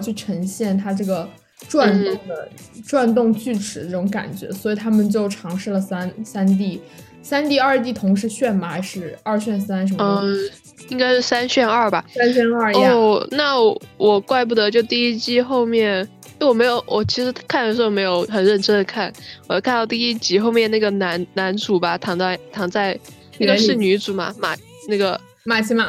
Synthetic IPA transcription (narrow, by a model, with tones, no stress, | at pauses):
t͡ɕʰy˥˩ʈ͡ʂʰɤ˧˥ŋɕjɛ˥˩nt̪ʰa˥ʈ͡ʂɤ˥˩ɡə˩ | ʈ͡ʂwa˥˧nt̪ʊ˥˩ŋd̪ə˩ | ʈ͡ʂwa˥˧nt̪̬ʊ˥˧ŋt͡ɕy˥˩ʈ͡ʂʰɻ̩˨˩ə˥˩ʈ͡ʂʊ˧˥ŋka̰˨˩nt͡ɕɥɛ̰˧˥swɔ˧˥i˨˩t̪ʰa˥mə˨nt͡ɕjo˥˩ʊʈ͡ʂʰɑ˧˥ŋʂɻ̩˥˩lə˩sa˥nsa˥nt̪̬i˥˩ | sa˥nt̪i˥˧ɐ˞˥˧t̪̬i˥˩t̪ʰʊ˧˥ŋʂ̬ɻ̩˧˥ɕɥɛ˥˩nma˧˥ʂɻ̩˥˩ɐ˞˥˧ɕɥɛ˥˩nsa˥nʂ̬ə˧˥m˧ | i˥ŋka˥ɪʂɻ̩˥˩sa˥nɕɥɛ˥˧nɐ˞˥˩bɐ˩sa˥nɕɛ˥na˞˥˩ɔ˥˩na˥˩wɔ˨˩kwa˥˧ɪp̬u˥˩d̪ə˧˦t͡ɕjo˥˧ʊt̪i˥˧i˥t͡ɕi˥xo˥˧ʊmjɛ˥˩n˥˩ | ɪwɔ˨˩me˧˥jo˧ʊwʔɔ˨˩t͡ɕʰi˧˥ʂɻ̩˧˥kʰa˥˩nd̪ə˩ʂ̬o˧˥wo˧˩me˧˥ɪjo˧ʊxə˨˩nɻə˥˩nʈ͡ʂə˥nd̪ə˨˩kʰa˥˩nwjo˥˩kʰnt̪ɑ˥˧ʊt̪̬i˥˧i˥˩t͡ɕi˥xo˥˧ʊmjɛ˥˧na˥˩ɡə˩na˧˥nna˧˥nt͡su˨˩bɐ˨t̪ʰɑ˧˥ŋt͡sa˥˩ɪt̪ʰɑ˧˥ŋt͡sa˥˩ɪ˥˩ | ɡə˧ʂɻ̩˥˩ny˧˥t͡su˨˩mɐ̰˩ma̰˨˩ | na˥˩ɡə˩ | ma˨˩t͡ɕʰi˧˥ma˧˩